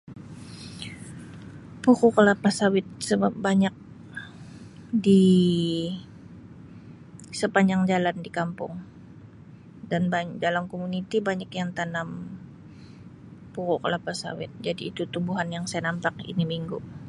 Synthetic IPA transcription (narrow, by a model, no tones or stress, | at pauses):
pukukəlapasawɪt̪̚səbapbaɲak̚ | di | səpaɲd͡ʒaŋd͡ʒalandikampʊ̰ŋ | danbadalamkomunit̪ibaɲakjaŋt̪anam | pukokəlapasa̰wɪ̰t̪̚d͡ʒadiːt̪ut̪umbuɦanjaŋsajanampakḭnimiŋɡu